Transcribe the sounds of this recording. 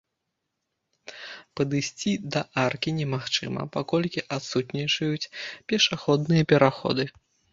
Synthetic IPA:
pɐd̪ɨsʲt͡sʲid̪ɐʔarkʲinʲɛmaxt͡ʂɨ̰mɐ̰pakɔlʲkʲiʔat̪sut̪nʲit͡ʂɐjut͡sʲpʲɛʂaxɔd̪̚nɨjɐpʲɛɾaxɔ̰d̪ɨ

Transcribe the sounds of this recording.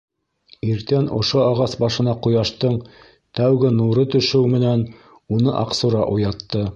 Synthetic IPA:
iɾt̪ænʔŏ̰ʃoɑʁɑsbɑʃɤ̆nɑqujɑʃt̪ɤɴ | t̪æwɡɘnuɾɤt̪ɵ̆ʃɘwmɘ̆næn | unɤʔɑqsuɾɑʔujɑt̪ːɤ

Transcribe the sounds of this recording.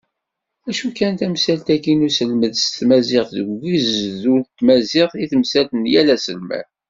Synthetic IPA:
æʃukænt̪æmsælt̪ækinusəlməðst̪mæzɪqðəɡizðunt̪ːmæzɪʁiθəmsælt̪ənjælæsəlmæ̰

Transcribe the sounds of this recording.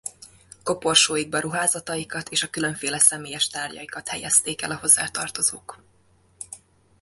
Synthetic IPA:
ko̞po̞rʃoːjiɡ̚bɛɾuɦaːzɒt̪ɒjikɒt̪eːʃɒkyløɱfeːlɛsɛmeːjɛʃt̪aːrɟɒ̰jikɒt̪hɛjɛst̪eːkɛ̰lɒɦo̞zːa̰ːt̪ɒrt̪o̞zoːk

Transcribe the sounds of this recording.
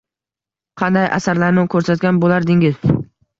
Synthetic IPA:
qʰɑnd̪ajʔa̰saɾlaɾnɪkʰɵɾsat̪̚ɡʲanbolaɾd̪ɪŋɪz

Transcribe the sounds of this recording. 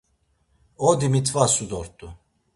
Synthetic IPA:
ɔd̪imit̪ʰvasud̪ɔɾt̪ʼu

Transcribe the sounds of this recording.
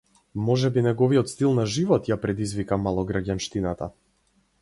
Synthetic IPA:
mɔʒɛbinɛɡɔviɔt̪st̪ilˠnaʒivɔt̪japɾɛd̪izvikamalˠɔɡɾaɟanʃt̪inat̪a̰

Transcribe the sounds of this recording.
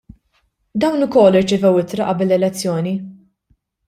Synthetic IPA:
d̪ɐwnʊkɔlːɪɾt͡ʃɛvɛwɪt̪ɾɐʔɐbɪlːɛlɛt͡sːjɔːni

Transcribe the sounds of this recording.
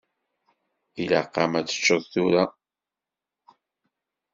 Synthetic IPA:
ilaqːɑmæt͡sːə̥t͡ʃːəðθuɾa

